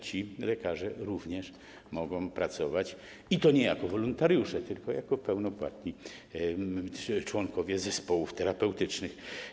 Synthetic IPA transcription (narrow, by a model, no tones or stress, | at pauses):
t͡ɕilɛkaʐɛɾuvɲɛʂ | mɔɡɔ̃w̃pɾat̪sɔvat͡ɕ | it̪ɔɲɛjakɔvɔlunt̪aɾjuʂɛt̪ɘlkɔjakɔpɛwnɔpwa̰t̪ɲi | t͡ʂwɔŋkɔvʲjɛzɛspɔwuft̪ɛɾapɛwt̪ɘt͡ʂnɘx